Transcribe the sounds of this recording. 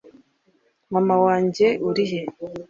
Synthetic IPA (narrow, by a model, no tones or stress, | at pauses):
mamawaːɲɟe̞ʔuɾiɦe